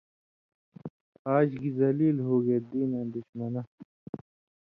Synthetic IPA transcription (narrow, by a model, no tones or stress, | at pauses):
aːd͡ʑkizɐliːlɦoːɡeːd̪iːnɐ̃ːd̪ʊɕmɐna